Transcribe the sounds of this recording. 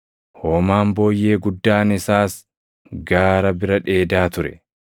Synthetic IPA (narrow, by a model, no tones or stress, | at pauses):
hoːmaːmbo̞ːjːe̞ːɡʊd̪ːaːnɪsaːs | ɡaːɾɐbɪɾɐᶑe̞ːd̪aːt̪ʊɾɛ̰